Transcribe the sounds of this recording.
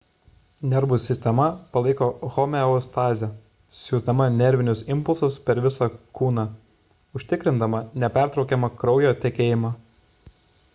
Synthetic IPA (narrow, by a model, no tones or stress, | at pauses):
nʲɛɾʋʊsʲɪsʲt̪ʲɛmɐpɐlˠɐɪkoːxɔmʲɛʊst̪ɑːzʲɛ | sʲjuːzd̪ɐmɐnʲɛɾʲʋʲɪnʲʊsɪmpʊlˠsʊspʲɛɾʋʲɪsɐkuːnɑ | ʊʃʲt̪ʲɪkɾʲɪnd̪ɐmɐnʲɛpʲæˑɾt̪ɾɒʊkʲɛmɐkɾɒʊjoːt̪ʲɛkʲeːjɪmɑː